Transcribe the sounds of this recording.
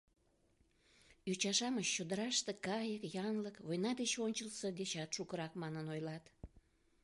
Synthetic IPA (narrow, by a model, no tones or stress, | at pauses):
jut͡ɕɑʃɑməɕːod̪əɾɑʃt̪ekɑjəkjɑnləkβojnɑd̪et͡ɕonʲt͡ʃəlsəd̪et͡ɕɑt̪ʃukəɾɑkmɑnənojlɑt̪